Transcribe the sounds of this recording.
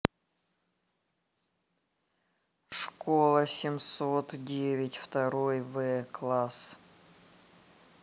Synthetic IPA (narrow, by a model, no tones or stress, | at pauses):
ʂkolˠəsʲɪmsot̪dʲevʲɪtʲft̪ɐɾojvɛklˠas